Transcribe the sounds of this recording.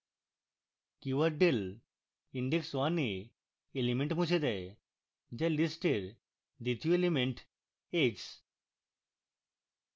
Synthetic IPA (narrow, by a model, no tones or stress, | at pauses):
kjuʋɐɾɖel | iɳɖekswaneː | limeɳʈmũt͡ʃʰed̪ɛe | d͡ʑɛlisʈeɾ | d̪it̪ʰijoelimeɳʈ | eks